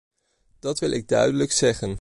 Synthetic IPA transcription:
d̥ɑtʋɪlˠʔɪɡ̚dœɥdələksɛχən

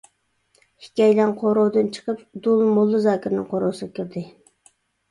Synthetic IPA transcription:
hi̥kʲɛjlɛnqʰoɾowd̪ɨnt͡ʃʰə̥qəpd̪ulˠmolˠːɨzɑːkʲʰiɾnɪŋqʰoɾowsɨʁkʲʰiɾd̪ɪ

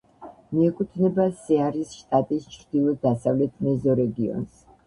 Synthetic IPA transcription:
miɛkʼut̪ʰnɛbasɛaɾisʃt̪ʼat̪ʼist͡ʃʰɾd̪̥ilˠɔd̪asavlɛt̪ʰmɛzɔɾɛɡiɔ̰ns

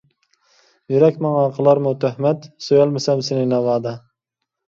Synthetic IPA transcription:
jyɾɛkʲmɑŋɑqʰəlˠɑɾmut̪ʰøhmɛt̪søjælˠmɪsɛmsɪnɪnɛvɑːd̪ɑ

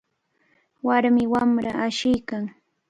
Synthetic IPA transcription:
waɾmɪwamɾaaʃɪjkaŋ

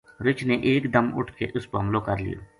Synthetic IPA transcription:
ɾɪt͡ʃneʔeːkd̪əmʊ̰ʈʰkḛʔʊspɦəmlokəɾlɪ̰jo̰ː

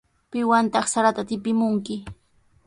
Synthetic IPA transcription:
pɪwant̪ɑχsaɾat̪at̪ɪpɪmʊŋkɪ

